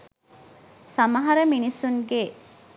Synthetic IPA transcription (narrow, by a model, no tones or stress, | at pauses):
sɐmɐɦɐɾəminisuŋɡe